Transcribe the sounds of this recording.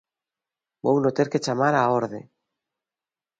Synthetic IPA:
bownot̪eɾket͡ʃamaɾaoɾðḛ

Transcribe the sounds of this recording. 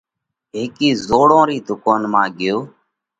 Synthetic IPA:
ɦeːkiːzoːɽõːɾiːd̪ʱʊkoːnmãːɠɪjoː

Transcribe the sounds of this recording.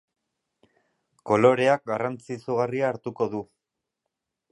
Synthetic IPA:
ko̞lo̞ɾe̞ak̚ɡarant͡sit͡suɣariaːɾt̪uko̞ðu

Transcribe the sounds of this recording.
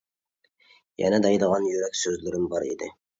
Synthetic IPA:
jɛ̰nɛd̪ɛjd̪əʁɑnjøɾɛkʲsøzlɪɾɪmbɑɾḭd̪ɪ̰

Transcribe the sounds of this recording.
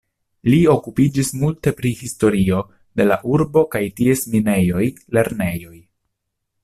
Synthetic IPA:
lio̞kupid͡ʒismulte̞pɾihisto̞ɾio̞ | de̞la̰ʔuɾbo̞kajtie̞smine̞jo̞jle̞ɾne̞jo̞j

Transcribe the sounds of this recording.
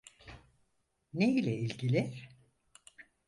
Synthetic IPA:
neilʲɛilʲɟilʲi̥

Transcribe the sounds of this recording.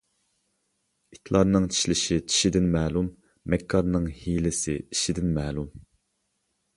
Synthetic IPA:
i̥t̪ʰlˠɑɾnɨŋt͡ʃʰi̥ʃlɪʃit͡ʃʰi̥ʃid̪ɪnmɛːlˠumː | ɛkʰːɑɾnɨŋhilɪsɪ̰i̥ʃid̪ɪnmɛːlˠum

